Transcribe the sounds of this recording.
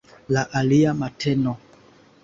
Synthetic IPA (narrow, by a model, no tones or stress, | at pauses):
laʔaliamatʰɛnɔ